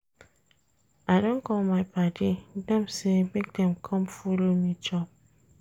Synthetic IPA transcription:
adõnkɔlmaɪpadidɛ̃msemek̚dɛ̃mkʰɔ̃mfulomid͡ʒɔp̚

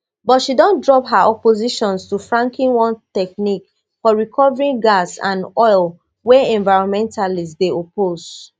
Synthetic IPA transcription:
bɔtʃidɔ̃ndɹɔpɦaʔɔpoziʃɔ̃nstufɹãŋkʰĩnwɔ̃ntɛknik | fɔɹikʰɔvɹĩŋɡasã̰nɔɪl | wɛɛ̃ɱvaɪɹɔ̃nmɛ̃ntalisdeopoz

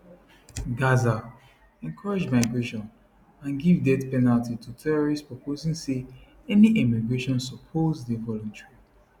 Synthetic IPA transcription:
ɡaza | ɛ̃ŋkʰɔɹed͡ʒmaɪɡɹeʃɔ̃n | ãnɡivdɛtpɛnaltitʰutʰɛɹɔɹistpɹɔpʰozĩŋse | ɛniʔɛmiɡɹeʃɔ̃nsɔpʰozdevɔlɔ̃ntɹi

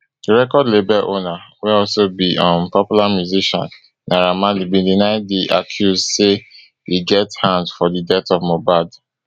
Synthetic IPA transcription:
diɹɛkɔdlebɛʔonaweɔlsobiɔ̃npɔpjulamjuziʃɔ̰̃nː | aɹamãlibĩdinaɪdiʔakʰjuzse | hiɡɛthãndfɔdidɛtɔvmobad

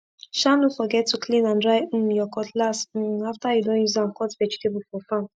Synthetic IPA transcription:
ʃanofɔɡɛtʰːuklĩnãndɹaɪ̃mjɔkɔtlast̩aftajudõnjuzãnkʰɔtvɛd͡ʒitʰebufɔfãm

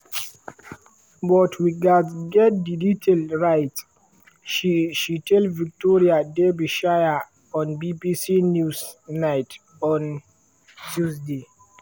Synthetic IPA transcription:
bɔtʰwiɡadzɡɛt̚diditʰalɹajt | ʃiʃitelvik̚tɔɹiadebiʃaja | ɔ̃nbibisinjusnaɪt | ɔ̃n | tʰusde

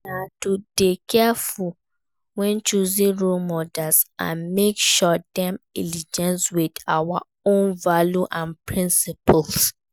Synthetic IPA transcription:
natudekʰɛfu | wɛ̃nt͡ʃuzĩɹolmɔdasã̰nmekʃɔdɛ̃mḭlid͡ʒɛ̃nswidawa | õnvaljuʔãnpɹĩnsipuls

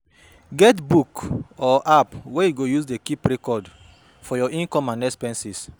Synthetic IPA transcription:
ɡɛtbukɔʔapwɛjuɡojusdekipɹɛkɔd | fɔjɔĩnkɔ̃mãnɛspɛ̃nsis

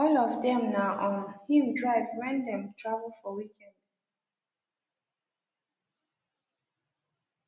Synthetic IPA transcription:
ɔlɔvdɛ̃mnaʔɔ̃nhiwdɹaɪvwɛ̃ndɛ̃mtʰɹavəlˠfɔwikɛ̃nd̥

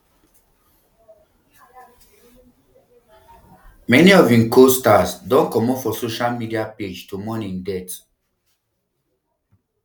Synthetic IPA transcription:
mɛniɔvĩmkʰostasdɔ̃nkɔmɔfɔsoʃalmidiaped͡ʒtumɔnĩŋdɛt

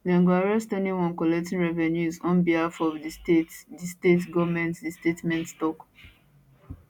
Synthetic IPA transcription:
lɛ̃ŋɡwaɹɛstɛniwɔ̃nkɔlɛk̚tĩnɹɛvɛnjusɔ̃nbiafɔvditetdistetɡɔvmɛ̃ntdistetmɛ̃ntstɔk

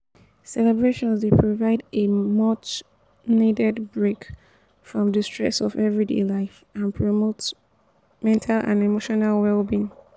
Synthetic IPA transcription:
sɛlɛbɹeʃɔ̃nzdepʰɹovaɪdemʌt͡ʃ | nidɛdbɹek | fɹɔ̃mdəstɹ̥ɛ̰sɔvɛvɹidḛlaɪf | ãnpʰɹomot | mɛ̃ntʰalã̰nemoʃɔnalˠwɛlbĩn

